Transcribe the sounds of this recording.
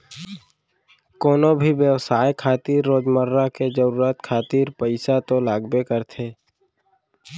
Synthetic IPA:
koːnobʱiʋjəʋsaːjkʰaːt̪iːɾːoːd͡ʒməɾːaked͡ʒəɾuːɾət̪kʰaːt̪iːɾpəɪsat̪olaːɡbekəɾt̪ʰeː

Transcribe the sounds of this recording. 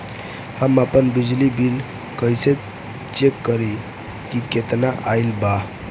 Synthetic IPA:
hamapənbid͡ʑlibil | kəjse | t͡ɕekːəɾi | kiket̪naʔajlba

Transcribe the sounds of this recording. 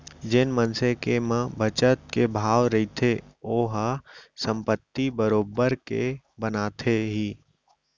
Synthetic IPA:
d͡ʒɪnmənsẽkemə̃bʱət͡ʃət̪̚kebʱaːʋɾɐit̪ʰeoːɦsə̃mpət̪ːibəɾoːbəɾkḛ | bənaːt̪ʰeɦiː

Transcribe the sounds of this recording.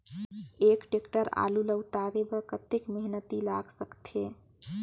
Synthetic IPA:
ekʈekʈəɾa̰ːluləwt̪aɾebəkət̪ekmeɦnət̪ilaɡsəkt̪ʰe

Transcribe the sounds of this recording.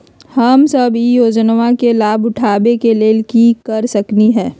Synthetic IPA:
hɐmsɐbijoːd͡ʒnʋãkelaːbʊʈʰaːbekeleːlkikɐɾsɐkniɦɛ̃ː

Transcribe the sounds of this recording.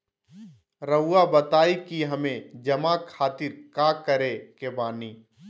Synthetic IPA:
ɾəːabət̪aːikiɦɐmẽd͡ʒɐmakʰaːt̪ɪɾkaːkəɾekebaːniː

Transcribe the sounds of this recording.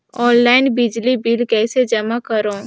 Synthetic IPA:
ɔːnlaːɪnbɪd͡ʒlibɪlkɛːsed͡ʒɐmakɐɾõː

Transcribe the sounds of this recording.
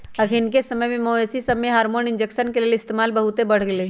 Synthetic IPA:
ɐkʰɪnkesɐməjmẽmoːesisɐmeɦaːɾmoːnɪ̃nd͡ʒekʃənkelieɪst̪eːmaːlbɐɦʊt̪ebɐɽ̤ɡleː

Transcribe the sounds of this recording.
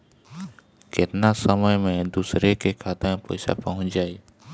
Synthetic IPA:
kɪt̪nasəməjmẽd̪uːsɾekekʰaːt̪m̃pə̰ɪsa̰pəɦʊ̃nt͡ʃd͡ʒaːeː

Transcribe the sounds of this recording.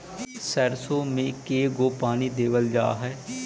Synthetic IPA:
səɾsõmẽkeːɡoːpaːnid̪eːʋəld͡ʒa̰ːɦɛː

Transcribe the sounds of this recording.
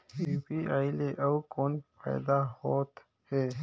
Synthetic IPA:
ipiaːjleʔawkoːnpa̰jd̪ahot̪ | heː

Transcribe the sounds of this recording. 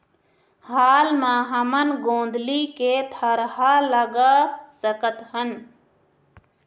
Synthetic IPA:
haːlmãɦəmənɡõːn̆d̪ʱliket̪ʰəɾɦaləɡasəkət̪ɦən

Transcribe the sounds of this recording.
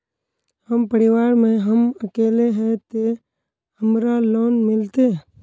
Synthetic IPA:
həmpəɾɪʋaːɾmẽɦəməkeːleɦɛ̃t̪e | həmɾaloːnmɪlt̪e

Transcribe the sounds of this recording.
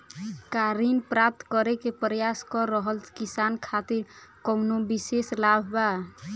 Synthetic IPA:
kaɾinpɾap̚t̪kəɾekepɾəjaskɔɾəɦəlkisankʰat̪iɾkɔwnobiseslabʱba

